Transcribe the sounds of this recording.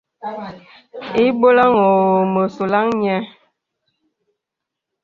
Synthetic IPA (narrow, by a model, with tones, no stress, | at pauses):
i˦bo˦la˦ŋo˨mə˨so˨la˦ŋɲɛ˦